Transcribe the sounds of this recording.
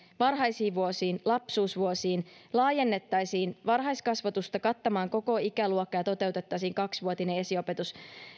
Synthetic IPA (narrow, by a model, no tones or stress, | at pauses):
ʋɑrɦɑjsiːʋʋuosiːnlɑpsuːsʋuosiːnlɑːje̞nːe̞t̪ːɑjsiːnʋɑrɦɑjskɑsʋɑt̪ust̪ɑkɑt̪ːɑmɑːŋko̞ko̞ikæluokːɑjɑt̪o̞t̪e̞wt̪e̞t̪ːɑjsiːŋkɑksʋuot̪inee̞sio̞pe̞t̪us